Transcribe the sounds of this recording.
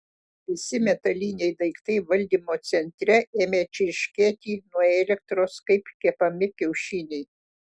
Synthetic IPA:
pʲɪsʲɪmʲɛt̪ɐlʲiːnʲɛɪd̪ɐɪkt̪ɐɪʋɐlʲd̪ʲiːmoːt̪sʲɛnʲt̪ʲɾʲɛʔeːmʲeːt͡ʃʲɪɪʃʲkʲeːt̪ʲiːnuɔeːlʲɛk̚t̪ɾoːskɐɪpkʲɛpɐmʲɪkʲɛʊʃʲinʲɛɪ

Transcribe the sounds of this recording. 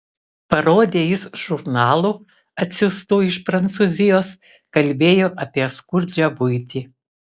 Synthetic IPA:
pɐɾoːd̪ʲeːjɪsʒ̥ʊɾnɑːlˠuː | ɐt̪ʲsʲʊst̪oːɪʃpɾɐnt̪suːzʲɪjoːs | kɐlʲbʲeːjoːʔɐpʲiɛskʊɾʲd͡ʒʲæbʊɪt̪ʲiː

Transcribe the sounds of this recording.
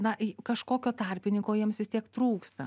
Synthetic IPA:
nɐkɐʃkoːkʲoːt̪ɐrʲpʲɪnʲɪŋkoːjiɛmsʋʲɪst̪ʲiɛkt̪ɾuːkst̪ɐ

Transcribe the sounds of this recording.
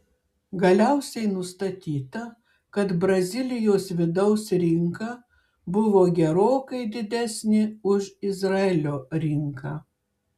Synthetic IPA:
ɡɐlʲɛʊsʲɛɪnʊst̪ɐt̪ʲiːt̪ɐ | kɐt̪bɾɐzʲɪlʲɪjoːsʋʲɪd̪ɐʊsɾʲɪŋkɑ | bʊʋoːɡʲɛɾoːkɐɪd̪ʲɪd̪ʲæsʲnʲɪʊʒɪzɾɐelʲoːɾʲɪŋkɑ

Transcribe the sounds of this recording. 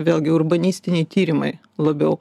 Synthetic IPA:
ʋʲeːlʲˠɡʲɪʊrbɐnʲiːsʲt̪ʲɪnʲɛɪt̪ʲiːɾʲɪmɐɪ | lˠɐbʲɛʊ

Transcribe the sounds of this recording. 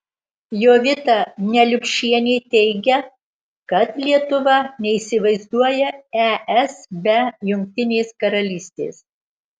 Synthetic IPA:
joːʋʲɪt̪ɑnʲɛlʲʊkʲʃʲiɛnʲeːt̪ʲɛɪɡʲɛ | kɐt̪lʲiɛt̪ʊʋɐnʲɛiːsʲɪʋɐɪzd̪uɔjɛɛʔɛsbʲɛjʊŋʲk̚ʲt̪ʲɪnʲeːskɐɾɐlʲiːsʲt̪ʲḛːs

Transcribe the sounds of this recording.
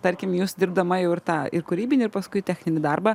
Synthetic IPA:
t̪ɐɾʲkʲɪmjuːsd̪ʲɪɾbd̪ɐmɐjɛʊɪrt̪ɑːɪrkʊɾʲiːbʲɪnʲɪːɪɾpɐskʊɪt̪ʲæːxʲnʲɪnʲɪd̪ɐrbɐ

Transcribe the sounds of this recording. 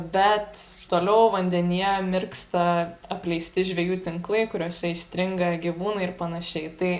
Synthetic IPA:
bʲɛt̪ | t̪oːlʲɛʊʋɐnʲd̪ʲɛnʲijɛmʲɪrkst̪ɐɐpʲlʲɛɪsʲt̪ʲɪʒʲʋʲɛjuːt̪ʲɪŋklˠɐɪkʊɾʲuɔsʲɛɪʃʲt̪ʲɾʲɪŋɡɐɡʲiʋuːnɐɪɪrpɐnɐʃʲɛɪt̪ɐɪ

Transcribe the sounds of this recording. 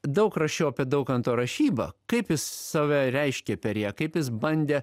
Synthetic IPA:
d̪ɐʊkɾɐʃʲɛʊɐpʲiɛd̪ɐʊkɐnt̪oːɾɐʃʲiːbɐ̰kɐɪpjɪsːɑːʋʲæɾʲɛɪʃʲkʲɛpʲɛɾʲjæːkɐɪpjɪsbɐnʲd̪ʲeː

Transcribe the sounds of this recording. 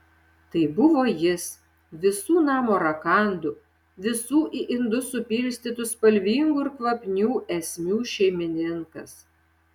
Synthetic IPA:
t̪ɐɪbʊʋoːjɪs | ʋʲɪsuːnɑːmoːɾɐkɑˑnd̪ʊ | ʋʲɪsuːʔɪʔɪnd̪ʊsʊpʲiːɾʲsʲt̪ʲiːt̪ʊspɐlʲʋʲiːŋɡuɪɾkʋɐpʲnʲuːʔɛsʲmʲuːʃʲɛɪmʲɪnʲɪŋkɐ̰s

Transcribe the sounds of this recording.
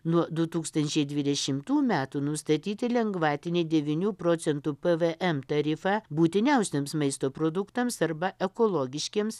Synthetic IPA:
nuɔd̪ʊt̪uːkst̪ɐnʲt͡ʃʲɛɪd̪ʲʋʲɪd̪ʲɛʃʲɪmt̪uːmʲæːt̪uːnʊst̪ɐt̪ʲiːt̪ʲɪlʲɛŋɡʋɑːt̪ʲɪnʲeːd̪ʲɛʋʲiːnʲuːpɾoːt̪sʲɛnt̪uːpɛʋeʔɛmt̪ɐɾʲɪfɑbuːt̪ʲɪnʲɛʊsʲeːmsmɐɪst̪oːpɾoːd̪ʊkt̪ɐmsɐɾbɐʔɛkoːlˠoːɡʲɪʃʲkʲiɛms

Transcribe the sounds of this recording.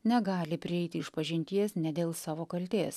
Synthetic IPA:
nʲɛɡɑːlʲɪpʲɾʲɪɛɪt̪ʲɪɪʃpɐʒʲɪnʲt̪ʲiɛsnʲɛd̪ʲeːlˠsɑːʋoːkɐlʲt̪ʲeːs

